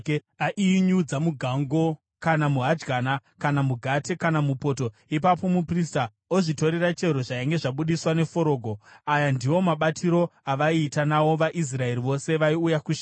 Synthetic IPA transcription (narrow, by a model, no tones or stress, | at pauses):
aʔiɲud͡zamuɡʱaŋɡo̞ | kanamuɦad͡ʒɡaːnakanamuɡʱate̞kanamupo̞to̞ | ipapo̞muprista | oʐito̞ɾerat͡ʃe̞ɾo̞ʐajaŋɡe̞ʐaɓuɗiswane̞fo̞ɾo̞ːɡʱo̞ajandiwo̞maɓatʰiɾo̞aʋaiːtanawo̞ʋaʔis̬rae̞ɾiʋo̞se̞ʋaiujakuʃ